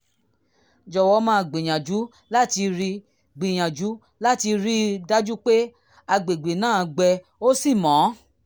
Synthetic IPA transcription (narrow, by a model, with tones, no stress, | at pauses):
d͡ʒɔ˨wɔ˦mãː˦˧ɡ͡bẽ˨j̃ã˨d͡ʒu˨˦ | la˦˨ti˧ɾi˧ | ɡ͡bĩ˨j̃ã˨d͡ʒu˨˦ | la˦˨ti˧ɾi˦da˦d͡ʒu˦k͡pe˦ | a˧ɡ͡be˨ɡ͡be˨nãː˦˨˧ɡ͡bɛ˧ | o˦si˦˨mɔ̃˨˦